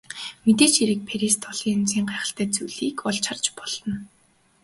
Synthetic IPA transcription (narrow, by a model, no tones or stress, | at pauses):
met̪eːt͡ɕiɾɘ̆k̚pʰeɾist̪ʰɔɮiːŋɵnt͡siːɴɢæːχə̥̆ɬt̪æːt͡suɮiːkɔɮt͡ɕʰart͡ɕpɔɮ̥ɞ̆n